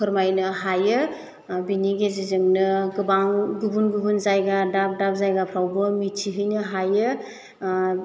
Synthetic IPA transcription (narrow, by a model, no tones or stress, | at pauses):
kʰɯɾmajnɯɦajɯ | biniɡezizɯŋnɯɡɯbaŋɡubunɡubunzajɡadap̚dap̚zajɡapʰɾawbɯmitʰiɦɯjnɯɦajɯ